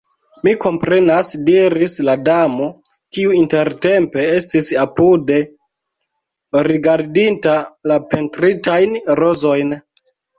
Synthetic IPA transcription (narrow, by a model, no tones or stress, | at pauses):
miko̞mpɾe̞nasdiɾisladamo̞ | kiuinte̞ɾte̞mpe̞e̞stisapude̞ | ɾiɡaɾdintalape̞ntɾitajnɾo̞zo̞jn